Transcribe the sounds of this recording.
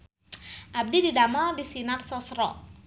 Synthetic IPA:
ʔab̚dididamaldisinarsɔsɾɔ

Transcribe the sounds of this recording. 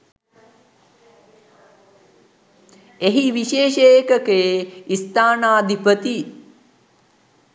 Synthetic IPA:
eɦiʋiʃeːʃəjkəkejeist̪aːnaːd̪ʱipət̪i

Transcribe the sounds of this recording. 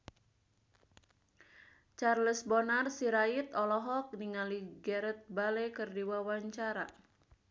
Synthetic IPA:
t͡ʃarləsbɔnarsiɾait̪ɔlɔɦɔk̚niŋaliɡɛɾət̪̚balekərdiwawaɲt͡ʃaɾa

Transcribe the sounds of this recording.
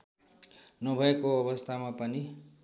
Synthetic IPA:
nʌbʱʌekoʌbʌst̪ʰamapʌni

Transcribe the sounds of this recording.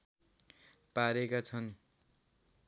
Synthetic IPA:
paɾekat͡sʰʌn

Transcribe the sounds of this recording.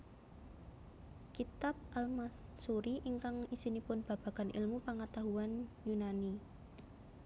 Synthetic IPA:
kit̪ap̚ʔalmasuɾiʔiŋkaŋisinipʊnb̥a̤b̥a̤ɡ̥anʔḭlmupaŋat̪aɦuanjunani

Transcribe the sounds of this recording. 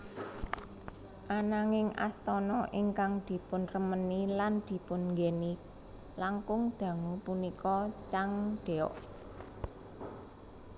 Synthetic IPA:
ʔanaŋɪŋa̰st̪ɔnɔʔɪŋkaŋd̪̥i̤pʊnrəməniland̪̥i̤pʊnŋɡeni | laŋkʊŋd̪̥ä̤ŋupunikɔt͡ʃaŋɖ̪̥e̤ɔ̰ʔ

